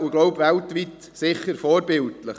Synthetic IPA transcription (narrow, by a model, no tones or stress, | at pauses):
uɡ̥loʊbʋɛltʋit̪ | sɪχːəɾfɔːɾbɪltləχ